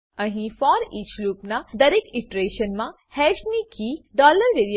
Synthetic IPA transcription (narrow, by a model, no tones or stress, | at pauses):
ɐ̃ɦĩfɔːɾiːt͡ʃluːpnad̪ɐɾeːkɪʈɾeːʃənmã | hɛːʃnikʰiɖɔːləɾʋeːɾi